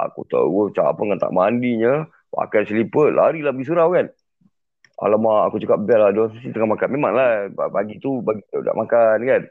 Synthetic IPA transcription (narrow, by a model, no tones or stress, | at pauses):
ʔa̰kṵt̪ə̰wot͡ʃapəŋant̪a̰ʔmandiɲə | ma̰kansəlipət̪̚laaɾilahbəɡis̬uɾawkan | a̰lamaakut͡ʃukap̚biaʔladoasasit̪əŋamakanmemaŋlabaɡit̪ubaɡit̪əda̰ʔmʔakankan